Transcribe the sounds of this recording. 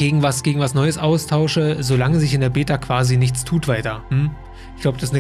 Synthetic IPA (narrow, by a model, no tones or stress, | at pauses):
eːɡŋ̩vasɡ̥eːɡŋ̩vasnɔʏəsʔaʊstʰaʊʃəzolaŋəzɪçɪndeːɐbeːtakv̥aːzinɪç̬t͡stʰuːtv̥aɪtɐm̩ | çɡ̥laʊbəd̥asɪsnə